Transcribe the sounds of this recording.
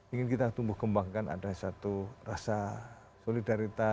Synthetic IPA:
iŋɪnkit̪at̪umbʊhkəmbaŋkana̰dasat̪urasa | solidaɾit̪a

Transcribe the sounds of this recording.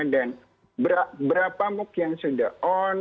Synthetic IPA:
dan | bɾabəɾapamʊkjaŋsudahon

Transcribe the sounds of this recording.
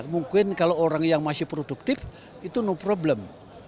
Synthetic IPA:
muŋkɪnkalooɾaŋjaŋmasɪhpɾoduk̚t̪ɪf | it̪unupɾobləm

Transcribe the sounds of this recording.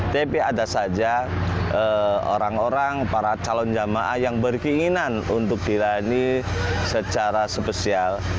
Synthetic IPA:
t̪epeadasad͡ʒa | əo̰ɾaŋoɾaŋpaɾat͡ʃalɔnd͡ʒamaʔahjaŋbərkiŋinanunt̪ʊk̚d̥ilaanisət͡ʃaɾasəpəsial

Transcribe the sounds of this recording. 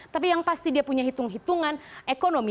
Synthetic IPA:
t̪ap̬ijaŋpast̪idiapuɲaɦit̪ʊŋɦit̪uŋanekonomi

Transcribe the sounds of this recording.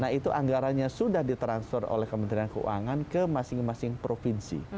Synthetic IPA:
naɦit̪uʔaŋɡaɾanɲasudahdit̪ɾansfɛro̰lɛhkəmə̃nt̪ɾiankəṵa̰ŋankəmasɪŋmasɪŋpɾofinsḭ

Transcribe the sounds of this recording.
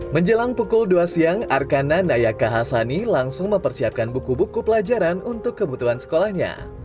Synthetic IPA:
məɲd͡ʒəlaŋpukʊlduasiaŋarkananajakaɦasanilaŋsʊŋməmpərsiap̚kanbukubukupəlad͡ʒaɾanunt̪ʊkːəbut̪uɦansə̥kolahɲa̰

